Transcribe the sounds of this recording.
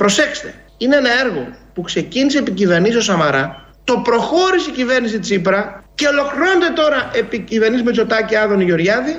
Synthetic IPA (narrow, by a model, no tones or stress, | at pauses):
pɾo̞se̞kst̪e̞ | ineenɐe̞ɾɣo̞̰pukse̞ciniseːpicive̞ɾnisio̞sɐmɐɾɐ | t̪o̞pɾo̞xo̞ɾisicive̞ɾnisit̪isipɾɐce̞o̞lo̞kliɾo̞ned̪e̞t̪o̞ɾɐʔepicive̞ɾnizmet͡so̞t̪ɐciɐðo̞niʝo̞ɾʝɐði